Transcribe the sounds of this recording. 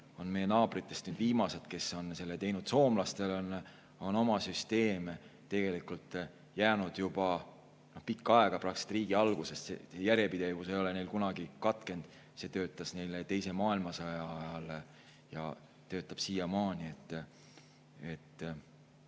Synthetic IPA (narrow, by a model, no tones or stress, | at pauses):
o̞nme̞jːe̞nɑːb̥rit̪ːˑe̞st̪nyːd̪̥viːmɑse̞d̪̥ke̞so̞nse̞lːet̪e̞jnud̪̥so̞ːmlɑst̪e̞lon | o̞no̞mɑsyst̪e̞ːmt̪e̞ɡ̥e̞likult̪ːˑ | jæːnud̪̥jub̥ɑ | no̞hpikːɑɑe̞ɡ̥ɑprɑkse̥t̪riːɡ̥iɑlɡ̥usest̪sḛsejæɾjepid̪e̞vuse̞jo̞le̞ne̞jlkunɑɡikɑt̪ˑke̞nd̪̥ | se̞t̪ø̞ːt̪ːˑɑsne̞jlet̪e̞jse̞mɑːilmɑsɑjɑjɑle | jɑ̰ | t̪ø̞ːt̪ːˑɑb̥siːjɑmɑːnʲie̞t̪ːˑ | et̪ˑː